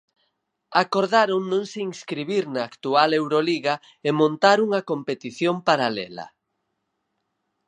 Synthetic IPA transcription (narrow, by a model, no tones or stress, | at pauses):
akoɾðaɾoŋnːõŋseiŋskɾiβiɾnɐːkt̪ualewɾoliɣɐ | emõnt̪aɾuŋɐkompet̪iθjompaɾalɛlɐ̰